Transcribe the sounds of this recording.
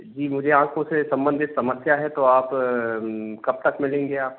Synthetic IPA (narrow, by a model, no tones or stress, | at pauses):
d͡ʒiːmʊd͡ʒʱeãːkʰõsesɐ̃mbə̃nd̪ʱɪt̪sɐməsjaɦɛt̪oaːp | kɐb̚t̪ɐkmɪlẽːŋɡeaːp